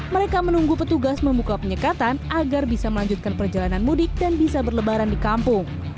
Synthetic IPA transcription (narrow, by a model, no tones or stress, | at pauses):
məɾekamənuŋɡupət̪uɡasməmbukapəɲəkat̪anaɡarbisaməlaɲd͡ʒut̪̚kanpərd͡ʒalananmudɪk̚danbisabərləbaɾandikampʊŋ